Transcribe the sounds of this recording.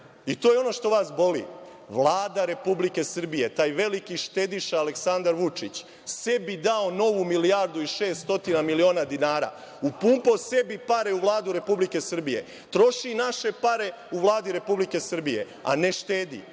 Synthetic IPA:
it̪oːjeo̞no̞ʃt̪o̞ʋaːsbo̞lḭː | ʋlˠaːd̪aɾe̞publike̞sr̩bije̞t̪aːjʋe̞likiʃt̪ed̪iʃaːle̞ksand̪aɾʋut͡ʃit͡ɕ | se̞bid̪ao̞no̞ʋumilijaɾd̪uiʃe̞ːst̪o̞t̪inamilio̞ːnad̪inaːɾa̰ː | upuːmpo̞se̞bipaɾe̞uʋlˠaːd̪uɾe̞publike̞sr̩bije̞̰ | t̪ɾo̞ʃinaʃe̞paɾe̞ | uʋlˠaːd̪iɾe̞publike̞sr̩bije̞̰ | a̰ne̞ʃt̪eːd̪ḭ

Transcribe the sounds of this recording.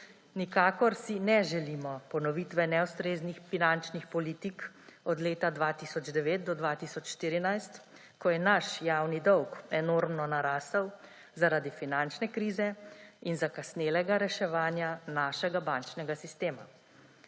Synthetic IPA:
nikaːkɔɾsinɛʒɛlimɔpɔnɔʋit̪ʋɛnɛwst̪ɾeːznixfinant͡ʃnixpɔliːt̪ik | ɔd̪leːt̪ad̪ʋaːt̪isɔd͡ʒd̪ɛʋeːt̪̚d̪ɔd̪ʋaːt̪isɔt͡ʃʃt̪iːɾinajst̪ | kɔjɛnaʃjaːwnid̪ɔwkɛnoɾmnɔnaɾaːsəw | zaɾaːd̪ifinant͡ʃnɛkɾiːzɛinzakasnelɛɡaɾɛʃɛʋaːnjanaːʃɛɡabant͡ʃnɛɡasist̪eːma̰

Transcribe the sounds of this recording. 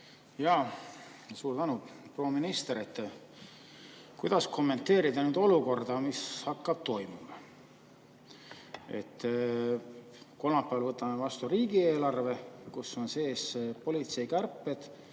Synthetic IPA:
jɑ | suːɾt̪ænupro̞ːminist̪eɾet̪ːˑ | kujd̪̥ɑsko̞mːe̞nt̪ːˑe̞ːɾid̪ɑnyːd̪o̞luko̞rd̪̥ɑmishɑkːɑb̥̚t̪o̞jmimɑ | e̞̰t̪ːˑ | ko̞lmɑpːˑævɑlvɤt̪ːˑɑmevɑst̪uɾiːɡ̥ieːlɑrve̞kusːo̞nse̞ːspo̞lʲit̪se̞jkærpːe̞d̪̥

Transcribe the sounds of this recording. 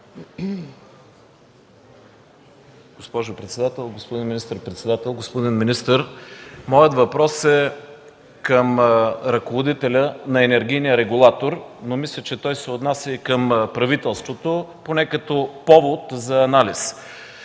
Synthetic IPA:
ɡ̥ospɔʒʊpɾɛt̪sɛd̪at̪ɛlˠɡospod̪inminist̪əɾpɾɛt̪sɛd̪at̪ɛlˠɡospod̪inminist̪əɾmɔjət̪vɐpɾɔsɛ | kəmɾɐkovod̪it̪ɛlʲənɐɛnɛɾɡʲijnijəɾɛɡulˠat̪oɾnomislʲət͡ʃɛt̪ɔjsɛot̪nasjəikəmpɾɐvit̪ɛlˠst̪vot̪oponɛkɐt̪opɔvot̪zɐːnalis

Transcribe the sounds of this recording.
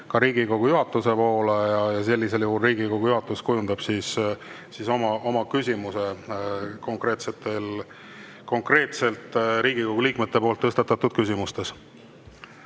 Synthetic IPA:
kɑɾiːɡ̥iko̞ɡ̥ujuɦɑt̪ːˑuse̞po̞ːlejɑjɑse̞lːise̞ljuɦulriːɡiko̞ɡ̥ujuɦɑt̪ːˑuskujund̪̥ɑb̥sis | siso̞mɑʔo̞mɑkysʲimuse̞ | ko̞ŋkɾe̞ːt̪se̞t̪ːˑe̞l | ko̞ŋkre̞ːt̪se̞lt̪ˑɾiːɡiko̞ɡ̥uliːkmet̪ːe̞po̞ːlt̪ːɤst̪ɑt̪ːˑɑt̪ːud̪̥kysʲimust̪e̞s

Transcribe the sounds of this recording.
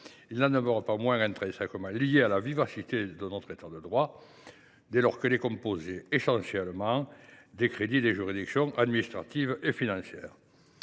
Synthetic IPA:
ilnanəmœʁəpamwɛ̃ŋɛ̃nt̪χɛ̃sɛ̃kəmɑ̃lijealavivasit̪ed̪ənɔt̪χet̪ad̪əd̪ʁwa | d̪elɔʁkəlekɔ̃mpozeesɑ̃sjɛlmɑ̃d̪ekχed̪id̪eʒyʁid̪iksjɔ̃ŋʔad̪minist̪χat̪ivefinɑ̃sjɛːʁ

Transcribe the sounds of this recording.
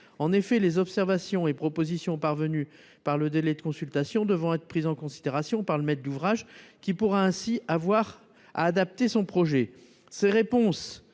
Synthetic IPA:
ɑ̃nefɛlezɔpsɛʁvasjɔ̃epχɔpozisjɔ̃paʁvəny | paʁləd̪elɛd̪əkɔ̃sylt̪asjɔ̃d̪əvʁɔ̃ɛt̪χəpχizɑ̃kɔ̃sid̪eʁasjɔ̃paʁləmɛt̪̚d̪uvʁaʒkʲipuʁɛɛ̃siavwaʁ | a̰ːd̪ap̚t̪esɔ̃pχɔʒɛ | seʁepɔ̃s

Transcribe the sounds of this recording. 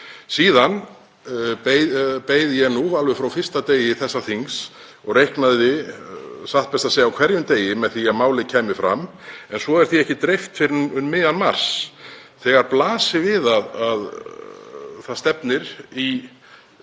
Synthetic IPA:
siːðan | epeːjðɪjɛɣnuvalvɛfɾawfɪr̥st̪at̪eːjɪθɛsːaθiŋs | ɔɣrejhknaðɪ | saht̪̚pɛst̪aseːjawkʰvɛɾjʏmt̪eːjɪmɛðθiamaːwlɪcʰɛːmɪfɾa̰mɛnsvɔɛɾ̥θiɛhcɪt̪ɾejft̪fɪɾʏnmɪːanmar̥s | θɛɣaɾplaːsɪvɪðaðað | θaðst̪ɛpnɪɾi

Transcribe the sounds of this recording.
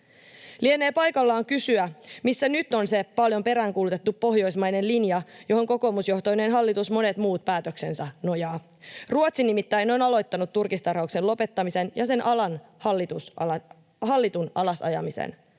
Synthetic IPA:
liene̞ːpɑjkɑlːɑːŋkysyæmisːænyt̪ːo̞nsepɑljo̞mpe̞ɾæːŋkuːlut̪et̪ːuppo̞ɦjo̞jsmɑjne̞nlinjɑjo̞ɦo̞ŋko̞ko̞ːmusjo̞ht̪ojneːnɦɑlːit̪usmo̞ne̞t̪muːt̪̚pæːt̪økse̞nsɑno̞jɑː | ruot̪sinimit̪ːæjno̞nɑlo̞jt̪ːɑnut̪ːurkist̪ɑrhɑukse̞nlo̞pe̞t̪ːɑmise̞njɑse̞nʔɑlɑnhɑlːit̪us | hɑlːit̪unɑlɑsɑ̰jɑ̰misḛn

